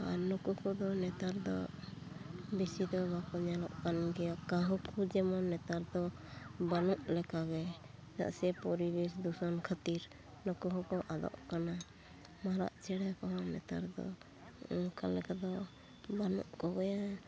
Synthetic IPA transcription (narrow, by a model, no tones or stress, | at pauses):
aɾnɔkukɔd̪ɔnɛt̪aɾd̪ɔ̰ | bisid̪ɔbakɔɲɛlɔʔkanɡɛjakaɦɔkʰud͡ʒɛmɔnːɛt̪aɾd̪ɔbanuʔlɛkaɡɛ | d͡ʒa̰ʔsɛpɔɾibɛsd̪usankʰat̪iɾ | nɔkukɔkɔʔad̪ɔ̰ʔkana | maɾa̰ʔt͡ʃɛɽɛkɔɦɔnɛ̰t̪a̰ɾd̪ɔ̰ | kalɛkad̪ɔ | banṵʔkɔɡɔja